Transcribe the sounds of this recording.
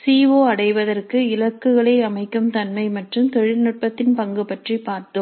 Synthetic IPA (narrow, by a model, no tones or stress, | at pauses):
siːʋoːɐɽɐɪʋɐðɐrkɯɪlɐkːɯɣɐɭɐːɐmɐɪkːɯmt̪ɐnmɐɪmɐʈrɯmt̪ɔɻɪnɯʈ̚pɐt̪ːɪnpɐŋɡɯpɐʈripaːɾt̪om